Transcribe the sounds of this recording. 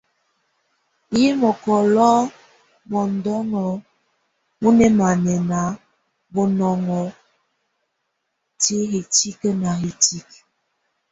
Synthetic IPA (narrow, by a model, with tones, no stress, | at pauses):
ji˦mɔ˨kɔ˨lɔ˦ | mɔ˨n̩˨dɔ˦ŋɔ˨ | mu˦nɛ˦ma˨nɛ˨na˨˦ | bɔ˨nɔ˨ŋɔ˨ | ti˦hi˨ti˦kə˦na˨ɦi˨ti˦k